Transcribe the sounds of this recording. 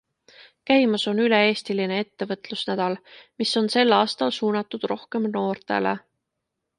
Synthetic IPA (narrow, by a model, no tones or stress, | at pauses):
kæjmɑso̞nyleeːst̪iline̞e̞t̪ːe̞vɤt̪ˑlusnæd̪̥ɑlmiso̞nse̞lɑːst̪ɑlsuːnɑt̪ːˑud̪̥ro̞hke̞mno̞ːrt̪e̞̰lḛ